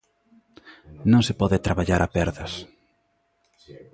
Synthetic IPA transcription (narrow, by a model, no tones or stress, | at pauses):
nõŋsɪpɔðɪt̪ɾaβaʎaɾʔapɛɾðɐs